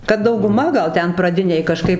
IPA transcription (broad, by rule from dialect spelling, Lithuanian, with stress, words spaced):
kɐt dɐʊɡʊˈmɐ ˈɡɐlˠ ˈtʲɛn prɐˈdʲɪnʲeːj kɐˈʃkɐɪp